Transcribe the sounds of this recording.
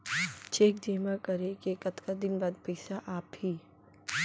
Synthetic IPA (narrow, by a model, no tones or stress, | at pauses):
t͡ʃeːk̚d͡ʒeːmakɐɾẽkeːkɐt̪kad̪ɪnbaːd̪pɛɪsaʔaːphiː